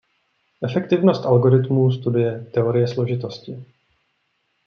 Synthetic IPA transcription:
ʔɛfɛkt̪ɪvno̞st̪ʔalɡo̞ɾɪt̪muːs̬t̪udɪjɛt̪ɛo̞ɾɪjɛslo̞ʒɪt̪o̞scɪ

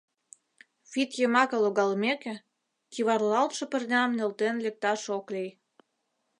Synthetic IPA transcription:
fit̪jemɑkɤ̆loɣɑlmekĕ | kiβɑrlɑlt̪ʃɤ̆pə̆rnʲɑmnelt̪enlek̚t̪ɑʃoklij

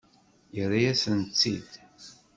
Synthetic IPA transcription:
jərːijæsənt͡sːid̪

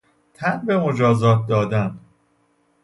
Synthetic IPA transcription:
t̪ʰænbe̞mo̞d͡ʒɒːzɒːt̪̚ʰd̪ɒːd̪æn

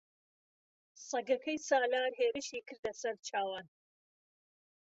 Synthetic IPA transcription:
sˤɐɡɐkʰɐjsaːlaːɾɦeːɾɨʃiːkɨɾd̪ɐsɐɾt͡ʃʰaːwaːn

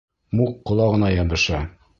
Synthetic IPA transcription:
muqqːŏlˠɑʁɤ̆nɑjɑbɤ̆ʃɑ

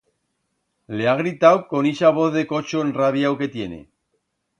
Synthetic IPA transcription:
leaɣ̞ɾit̪awko̞niʃaβ̞oθðe̞ko̞t͡ʃoenraβjawke̞t̪je̞nḛ

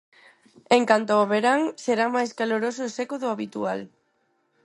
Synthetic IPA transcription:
eŋkant̪ooβeɾaŋseɾamajskaloɾosʊːsekʊðʊaβit̪ual

